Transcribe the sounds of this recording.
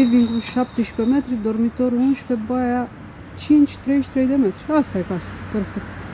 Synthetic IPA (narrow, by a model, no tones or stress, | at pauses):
ɛviŋɡluʃap̚t̪iʃpɛmɛt̪ɾid̪ɔɾmit̪ɔɾunʃpɛbaja | t͡ɕint͡ʃt̪ɾɛʃt̪ɾɛjd̪ɛmɛt̪ɾiast̪ajkasḁpəɾfɛt̪